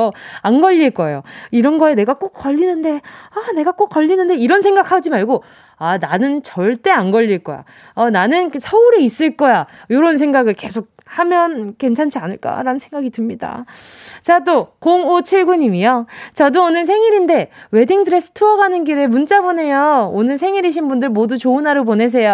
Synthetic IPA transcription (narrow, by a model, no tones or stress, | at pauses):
oanɡʌʎːiɭk͈ʌejoiɾʌnɡʌene̞ɡak͈ok͈ʌʎːinɯnde̞ane̞ɡak͈ok͈ʌʎːinɯnde̞iɾʌnsʰe̞ŋɡakʰad͡ʑimaɭɡo | ananɯnt͡ɕʌɭt͈e̞anɡʌʎːiɭk͈ʌ̰ja̰ | ʌnanɯnsʰʌuɾeis͈ɯɭk͈ʌjajoɾʌns̬ʰe̞ŋɡaɡɯɭke̞sʰok̚ | hamjʌnk͈e̞nt͡ɕʰant͡ɕʰianɯɭk͈a̰ɾanɯnsʰe̞ŋɡaɡitɯmɲida̰ | t͡ɕat͈okoŋot͡ɕʰiɭɡuɲimijʌt͡ɕʌdoonɯɭs̬ʰe̞ŋiɾinde̞we̞diŋdɯɾesʰɯ̥tʰuʌɡanɯnɡiɾemunt͡ɕ͈abone̞joonɯɭs̬ʰe̞ŋiɾiɕ̬ʰinbundɯɭmodut͡ɕoɯnaɾopone̞s̬ʰe̞jo